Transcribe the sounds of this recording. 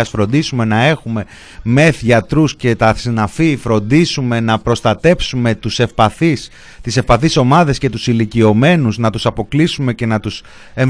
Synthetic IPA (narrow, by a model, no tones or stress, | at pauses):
ɐsfɾo̞nd̪isume̞nɐe̞xume̞ | me̞θʝɐt̪ɾusce̞t̪ɐsinɐfifɾo̞nd̪isume̞nɐpɾo̞st̪ɐt̪e̞psume̞t̪usefpɐθis | t̪ise̞fpɐθiso̞mɐðe̞sce̞t̪usilicio̞me̞nuznɐt̪usɐpo̞klisume̞ce̞nɐt̪us | e̞ɱ